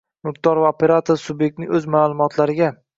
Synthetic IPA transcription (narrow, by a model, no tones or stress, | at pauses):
mʊqt̪ɒɾvaopʰeɾat̪ʰoɾsʊbje̞k̚t̪nɪŋʲɵzmalˠʊmɒt̪ʰlaɾɪɡʲa